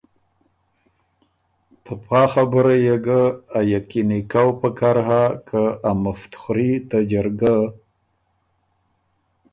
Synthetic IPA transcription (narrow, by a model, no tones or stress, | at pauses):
t̪əpʰɑxabəɾajeɡaajakinikawpəkaɾɦakʰaamaft̪xɾit̪ad͡ʒaɾɡa